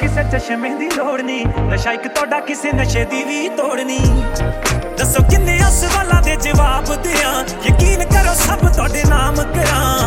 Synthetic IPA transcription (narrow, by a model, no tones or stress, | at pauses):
kɪseːt͡ʃəʃəmẽːd̪iːloːɽniːnəʃaːɪkt̪ʊaːɖaːkɪseːnəʃeːd̪iːʋiːt̪oːɽniː | d̪əsoːkɪnːẽːəsʋaːlãːd̪eːd͡ʒəʋaːbd̪eːãː | jəkiːnkəɾoːsəbt̪ʊaːɖeːnaːmkəɾãː